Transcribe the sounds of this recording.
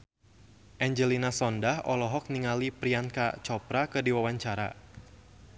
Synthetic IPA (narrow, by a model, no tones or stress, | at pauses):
ʔɛɲd͡ʒəlinasɔndahʔɔlɔɦɔk̚niŋalipɾianka̰t͡ʃɔpɾakədiwawaɲt͡ʃaɾa̰